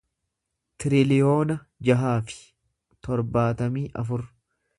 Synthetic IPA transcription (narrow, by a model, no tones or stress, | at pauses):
t̪ɪɾɪlɪjo̞ːnɐ | d͡ʒɐɦaːfɪ̥ | t̪ɔɾbaːt̪ɐmiːʔɐ̰fʊɾ